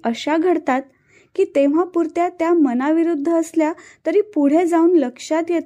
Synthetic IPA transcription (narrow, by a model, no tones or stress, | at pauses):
əɕaɡʱəɽt̪at̪̚ | kiːt̪eʋ̤apuɾt̪jat̪jamənaʋiɾud̪ʱːəːsljat̪əɾiːpuɽ̤ed͡zauːnləkʂat̪jet̪